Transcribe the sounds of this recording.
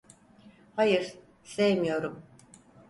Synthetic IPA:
hajɯɾ | sejmijo̞ɾum

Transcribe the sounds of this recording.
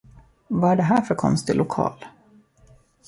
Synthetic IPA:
vaæɖɛɦæːɾfœɾkʰɔ̰nst̪ɪlʊkʰɑ̰ːl

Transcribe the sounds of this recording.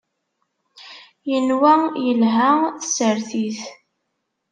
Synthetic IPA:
jənwæjəlɦæθə̥səɾθiθ

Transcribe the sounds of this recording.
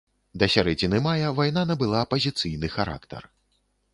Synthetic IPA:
d̪ɐsʲaɾɛd͡zʲinɨmajɐvajnanɐbɨlˠaːpɐzʲit̪sɨjnɨxaɾa̰kt̪ɐ̰r

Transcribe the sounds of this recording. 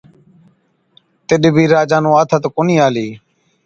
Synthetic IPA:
t̪ɪɗbʱiːɾaːd͡ʒaːnũːaːt̪ʰat̪okoniːaːliː

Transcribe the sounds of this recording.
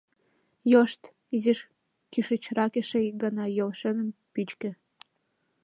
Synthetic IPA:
joʃt̪ | iziʃ | kyʃət͡ɕrɑkeʃejɡɑnɑjolʃenəmpyt͡ɕkə̆

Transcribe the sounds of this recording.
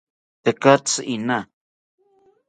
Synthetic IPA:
t̪ekat͡sina

